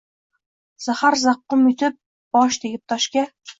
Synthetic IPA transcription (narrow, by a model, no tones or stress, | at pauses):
z̥ahaɾzɑqːɨmɵt̪ʰɪp̚ | b̥ɒʃt̪ʰeɡʲɪp̚t̪ʰɒʃkʲa